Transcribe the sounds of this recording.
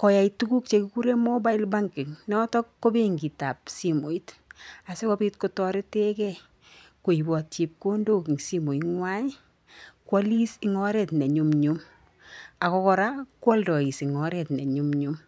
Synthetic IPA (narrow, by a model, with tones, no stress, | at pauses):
kɔ˨ja˨itu˦ku˦k̚t͡ʃe˧ku˦ku˦ɾe˦mɔ˦ba˦i˦lba˦ŋki˨ŋnɔ˦tɔ˦kːo˦be˦ŋɡi˨ta˨p̚si˨mo˨i˦ta˨se˦kɔpi˦t̚ko˧tɔ˦ɾe˦te˦kɛ˦ | ko˨i˨bɔ˨tt͡ʃi˨p̚ko˦ndo˦ki˨ŋsi˦mo˨i˨ŋwa˦j | kwa˦li˦sɪ˨ŋɔ˦ɾɛ˨tne˨ɲu˨mɲum | a˨kɔ˧kɔ˧ɾakwɔ˦ldɔ˨i˨sɪ˨ŋɔ˨ɾɛ˨tne˨ɲu˦mɲum